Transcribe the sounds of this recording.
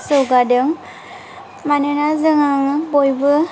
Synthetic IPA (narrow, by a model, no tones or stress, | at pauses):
sɯwɡadɯŋ | manɯnazɯŋaŋbojbɯ